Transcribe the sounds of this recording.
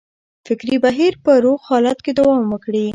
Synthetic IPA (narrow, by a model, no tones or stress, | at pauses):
fɪkɾibaɦiɾpəɾoɣhɑlat̪ked̪awɑmwəkɽi